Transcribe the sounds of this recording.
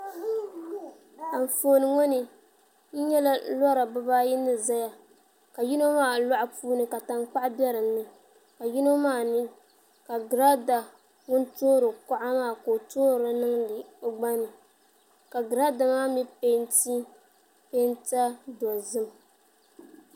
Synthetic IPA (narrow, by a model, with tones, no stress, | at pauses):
a˨ɱ̩˨foː˦nɨ˨ŋɔ˦nɨ˨ | n̩˦ɲɛ˦la˦lɔ˦ɾa˨ba˦baː˦jɪ˦nːɨ˦˨za˦ja˨ | ka˨ji˦no˦maː˦˨la˦ʔa˦puː˦nɨ˦ka˨ta˦ŋk͡pa˦ʔbɛ˦ɾɨ˨m˦nɨ˦ | ka˨ji˦no˦maː˦˨nɨ˦ | ka˨ɡɾa˦da˨ | ŋʊ˦ntoː˦ɾɨ˨ka˦ʔa˦maː˦˨ko˨toː˦˨ɾa˨nɨ˦ŋdɨ˨o˨ɡ͡ba˦nɨ˨ | ka˨ɡɨ˨ɾa˦da˨maː˦mi˦pe˦nti˦ | pe˦nta˦dɔ˨zɨ˦m